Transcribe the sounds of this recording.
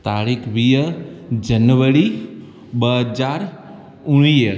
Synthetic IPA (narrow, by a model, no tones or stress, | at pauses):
t̪aːɾikʰʋiːəd͡ʒənʋəɽi | ɓəɦəd͡ʒaːɾ | ʊɽ̃iːə